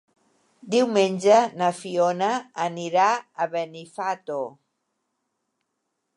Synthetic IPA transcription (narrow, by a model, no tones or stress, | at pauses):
d̪iwmenʲd͡ʒanafionaːniɾaːβenifat̪o